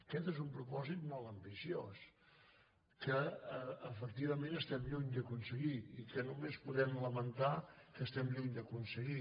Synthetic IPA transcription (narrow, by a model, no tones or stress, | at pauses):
əkɛt̪ezumpɾupɔzit̪mɔlˠt̪əmbisios | kəəːfək̚t̪iβəmẽnəst̪ɛmʎuɲd̪əkunsəɣiikənumespuðɛmləmənt̪akəst̪ɛmʎuɲd̪əkunsəɣi